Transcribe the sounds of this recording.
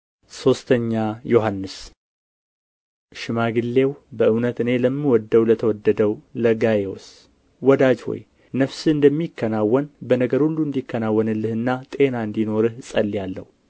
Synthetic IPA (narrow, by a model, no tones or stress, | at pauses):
so̞st̪ʰəɲːajo̞ɦanːɨs | ʃɪmaɡɨlːe̞wbəʔɨwnət̪ɨne̞ləmːiwɔd̪ːəwlət̪ʰəwɔd̪ːəd̪əwləɡajeos | wɔd̪ad͡ʒho̰j | nəfsɨɨnd̪əmːikːənawːɔnbənəɡəɾhulːuɨnd̪ikːənawːənɨlːɨhɨnːat̪ʼe̞naɨnd̪ino̞ɾɨhsʼəlːijalːə̰hu